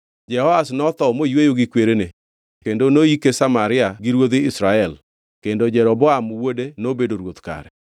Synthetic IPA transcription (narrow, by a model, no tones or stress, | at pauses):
d͡ʒɛhɔasnɔt̪ɔmojwejoɡɪkweɾene | kendonoikesamaɾɪaɡɪɾwod̪ɪɪsɾaɛl | kendod͡ʒɛɾɔbɔamwodenobedoɾwot̪ka̰ɾɛ̰